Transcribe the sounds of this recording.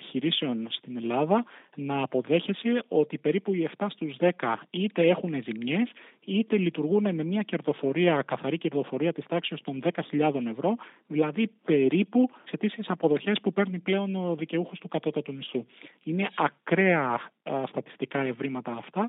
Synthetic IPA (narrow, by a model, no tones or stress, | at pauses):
pi̥çiɾise̞o̞nst̪ine̞lɐðɐnɐːpo̞ðe̞çeseo̞t̪ipe̞ɾipuie̞ft̪ɐst̪uzðe̞kɐit̪e̞e̞xune̞zimɲe̞s | it̪e̞lit̪uɾɣune̞me̞mɲɐce̞ɾðo̞fo̞ɾiɐkɐθɐɾiceɾðo̞fo̞ɾiɐt̪ist̪ɐksiost̪o̞nðe̞kɐçiʎɐðo̞ne̞vɾo̞ | ðilɐðipe̞ɾipuse̞t̪isiesɐpo̞ðo̞çe̞spupe̞ɾniple̞o̞noðice̞uxo̞st̪ukɐt̪o̞t̪ɐt̪unist̪uine̞ʔɐkɾe̞ɐst̪ɐt̪i̥st̪ikɐe̞vɾimɐt̪ɐːft̪ɐ